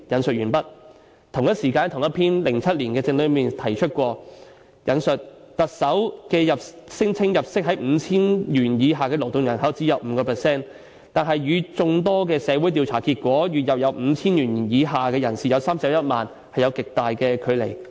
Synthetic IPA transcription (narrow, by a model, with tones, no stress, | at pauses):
jɐ˨˥nsɵ˨t̚jyː˨˩npɐ˥t̚ | t̪ʰʊ˨˩ŋjɐ˥t̚siː˨˩kaː˧nt̪ʰʊ˨˩ŋjɐ˥t̚pʰiː˥nlɪ˨˩ŋt͡sʰɐ˥t̚liː˨˩nkɛː˧t͡sɪ˧ŋlɵ˨˧ɥmiː˨˩nt̪ʰɐ˨˩jt͡ʃʰɵ˥t̚kʷɔː˧ | jɐ˨˥nsɵ˨t̚ | t̪ɐ˨k̚sɐ˨˥wkɛː˧jɐ˨p̚sɪ˥ŋt͡sʰɪ˥ŋjɐ˨p̚sɪ˥k̚ɦɐ˨˥jm̩˨˧t͡sʰiː˥njyː˨˩njiː˨˧ɦaː˨˩kɛː˧lo˨˩wt̪ʊ˨ŋjɐ˨˩nɦɐ˨˥wt͡siː˨˥jɐ˨w̚m̩ː˨˧˥kɔː˧pʰɛː˨˩sɛː˥n | t̪aː˨nɦɐ˨jːyː˨˧t͡sʊ˧ŋt̪̬ɔː˥k̬ɛː˧sɛː˨˧wu˨˥jt̪iː˧wt͡sʰaː˨˩kiː˧t̚kʷɔː˨˥jy˨t̚jɐ˨p̚jɐ˨˧wm̩ː˨˧t͡sʰiː˥njyː˨˩njiː˨˧ɦaː˨kɛː˧jɐ˨˩nsiː˨jɐ˨˧wsaː˥msɛ˨˥wjɐ˥t̚maː˨n | hɐ˨jɐ˨˧wkɪ˨k̚t̪aː˨jkɛː˧kʰɵ˨˧ɥlḛ˨˩j